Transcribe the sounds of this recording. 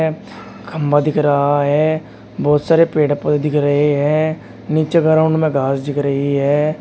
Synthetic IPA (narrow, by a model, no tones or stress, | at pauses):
ɡʰəmbad̪ɪkɾəɦaɦɛː | bɔːt̪saːɾepeːɽəpəd̪ed̪ɪkɾəɦeɦɛ̃ː | nɪt͡ʃeɡəɾaʊɳɖmẽɡʱaːsd̪ɪkɾəɦiɦɛː